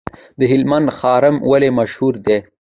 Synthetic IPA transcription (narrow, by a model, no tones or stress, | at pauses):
d̪əɦɪlmand̪xɑɾɪmwalemaʃhuɾd̪e